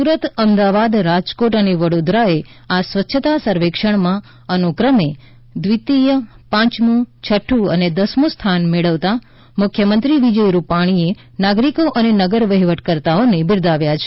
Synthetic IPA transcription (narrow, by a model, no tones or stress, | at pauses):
suɾət̪əmd̪aʋad̪ɾad͡ʒkoʈəneʋəɽod̪ɾae | asʋətːʃʰət̪asəɾʋekʃəɽ̃mã | ənukɾəme | d̪ʋit̪ijəpãt͡ʃnũt͡ʃʰəʈʰːũə̰ned̪əsmũst̪ʰanmeɭəʋt̪a | mʊkʰjəmənt̪ɾiʋid͡ʒəjɾupaɽ̃ie | naɡɾikoʔənenəɡəɾʋəɦiʋəʈkəɾt̪aonebɪɾd̪aʋjat͡ʃʰe